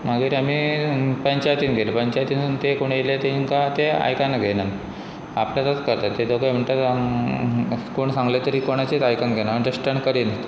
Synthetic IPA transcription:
maɡiɾam̤iːpəɲt͡ɕajt̪iːnɡʱeləpəɲt͡ɕajt̪iːnnt̪ekoɽ̃let̪einkat̪ea̰jkanaɡʱenan | a̰pljat̪at̪kəɾt̪at̪ːed̪okəjm̤əɳt̪at̪ | koɳsãŋɡlet̪əɾikoɽ̃at͡ɕet̪ajkanɡʱenaəɳtesʈəɳkəɾiːnt̪

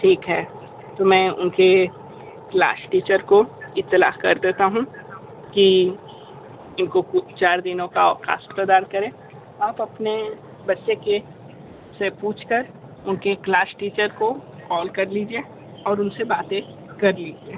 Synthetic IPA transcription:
ʈʰiːkɦɛː | t̪omɛ̃ːʊ̰nke | kla̰ːsʈiːt͡ʃəɾkoɪt̪ːɪla̰ːkɐɾd̪eːt̪aɦũ | ki | ɪnkokʊt͡ʃaːɾd̪ɪnõkaxa̰ːst̪ɐd̪aːɾkɐɾẽː | aːpɐpne | bɐtːʃeke | sepuːt͡ʃʰkɐɾ | ʊnkeklaːsʈiːt͡ʃəɾkokɔːlkɐɾliːd͡ʒie | ɔːɾʊnsebaːt̪ẽ | kɐɾliːd͡ʒiẽː

